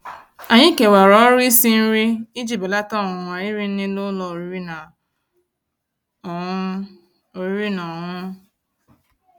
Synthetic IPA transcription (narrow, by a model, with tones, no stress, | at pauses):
a˨ɲɪ˦ke˨wa˨ɾɔ˨˦ɾi˦si˦n̩˦ɾi˦i˦d͡ʒi˦˨ba˨la˦ta˦˨a˨i˦ɾi˦n̩˦nɪ˦lo˦lɔ˨ɾi˦ɾi˦na˨˦ | o˨ɾi˦ɾi˦nɔ˨ŋʊ˦